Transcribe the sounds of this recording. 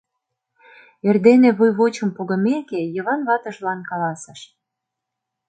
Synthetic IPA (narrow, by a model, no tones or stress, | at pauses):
erd̪eneβujβot͡ɕə̆mpoɣə̆mekejəβɑnβɑt̪ə̆ʒlɑnkɑlɑsə̆ʃ